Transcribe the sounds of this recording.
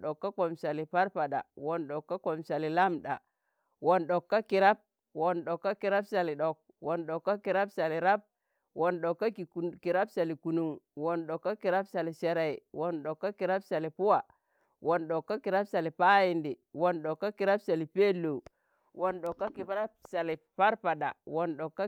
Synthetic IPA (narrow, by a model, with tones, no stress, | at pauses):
ɗo˨kːa˦ko˨msa˨li˨pa˦ɾpa˨ɗa̰˨wo˨nɗo˨kːa˦ko˨msa˨li˨la˦mɗa̰˨ | wo˨nɗo˨kːa˦ki˨ɾa˦b̚ | wo˨nɗo˨kːa˦ki˨ɾa˦psa˨li˨ɗo˨k̚ | wo˨nɗo˨kːa˦ki˨ɾa˦psa˨li˨ɾa˦b̚ | wo˨nɗo˨kːa˦ki˨ki˨ɾa˦bsa˨li˨ku˨nu˦ŋwo˨nɗo˨kːa˦ki˨ɾa˦bsa˨li˨se˨˦ɾa˨i˨wo˨nɗo˨kːa˦ki˨ɾa˦bsa˨li˨pu˦wa˨ | wo˨nɗo˨kːa˦ki˨ɾa˦psa˨li˨pa˦ji˨ndi˨wo˨nɗo˨kːa˦ki˨ɾa˦bsa˨li˨pe˦lːo˨ | wo˨nɗo˨kːa˦ki˨˦sa˨li˨pa˦ɾpa˨ɗa̰˨wo˨nɗo˨kːa˦